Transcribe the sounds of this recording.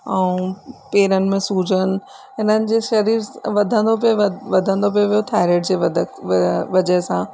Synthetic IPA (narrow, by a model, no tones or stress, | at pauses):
ɛ̃ũpeːɾənɪ̆mẽsuːd͡ʑəñ̆ | ɦɪn̤ənɪ̆d͡ʑeːʃɐɾiːɾʋɐd̪ʱə̃nd̪opʋɐd̪ʱə̃nd̪op̬ijoʋijot̪ʰaːɾeːʈd͡ʑeːʋɐ | ʋɐd͡ʑəɦɪsã